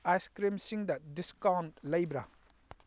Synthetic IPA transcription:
ajskɾimsiŋdɐdiskawntlɐjbɾɐ

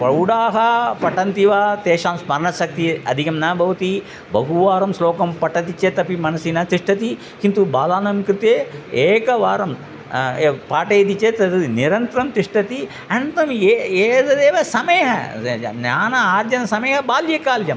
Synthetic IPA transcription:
pɐwɽaːɦɐpɐʈɐnt̪iʋaːt̪eːʃaːmsmɐɾɳɐsɐk̚t̪iɐ̰d̪ʱikɐmnɐbʱɐʋɐt̪i | bɐɦuʋaːɾɐmsloːkɐmpɐʈɐt̪it͡ʃet̪ɐpimɐnɐsinɐt̪iʂʈɐt̪i | kint̪ubaːlaːnɐmkɾit̪eeːkɐʋaːɾɐm | paːʈeːd̪it͡ʃet̪ɐt̪ɐniɾɐnt̪ɾɐmt̪iʂʈɐt̪i | ɐnt̪ɐmeeːd̪ɐd̪eːʋɐsɐmeːɦɐ̰njaːnɐaːɾd͡ʒɐnɐsɐmeːɦɐbaːljɐkaːld͡ʒɐm

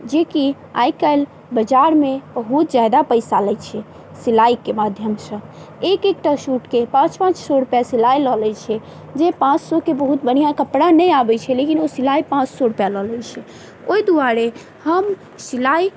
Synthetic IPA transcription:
d͡ʒeki | a̰jkəjl | bəd͡ʒaɾmeb̥əɦut̪̚d͡ʒajd̪apəjsalɛt͡ʃʰɛ | silaikemad̪ʱjəmsə̃ | ekekʈasuʈkepãt͡ʃpãt͡ʃsɔɾupjasilailɔlɛt͡ʃʰɛ | d͡ʒepãt͡ʃsɔkebəɦut̪̚bəɽ̤ijakəpɽanɛjabɛt͡ʃʰɛlekinosilaipãt͡ʃsɔɾupjalɔlɛjt͡ʃʰɛ | oid̪uaɾe | həm | silai

